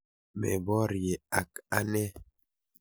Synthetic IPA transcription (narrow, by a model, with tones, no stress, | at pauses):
mɛ̰˨bɔ˦ɾje˨a˨ka˦nɛ˦